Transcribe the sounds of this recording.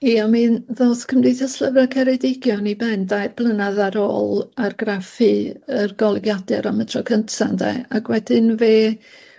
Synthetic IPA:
iamɨnðoskʰəmdiθəslˠəvakʰɛɾɛdɪɡjɔnibɛndajrb̥lˠənaðaɾoːlˠarɡrafɨərɡɔlˠɡjadɛɾamətʰrɔkʰəntʰandɛ̰aɡwɛdɪnveː

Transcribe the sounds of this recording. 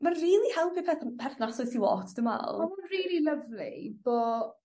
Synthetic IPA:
manriːlˠihɛlˠpipʰɛːθpʰɛrθnasɔɨsiwɔ̰ːtʰd̥əma̰lˠmaunriːlˠiləvlḭb̥ɔː

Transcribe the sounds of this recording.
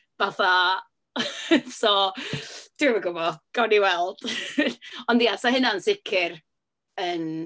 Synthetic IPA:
vaθa | sɔ | d̥ɪvəɡʊvɔɡ̥ɔniwɛlˠd̥ | ɔndijasaɦɪnansɪkʰɪr | ən

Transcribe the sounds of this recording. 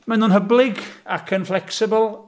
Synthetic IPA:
manʊːnɦəblɪɡakʰənflɛksɪbəlˠ

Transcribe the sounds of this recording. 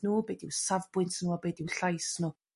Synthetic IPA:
nuːbeːdiwsavbwɨntʰnuːɔbeːdiwɬajsnu

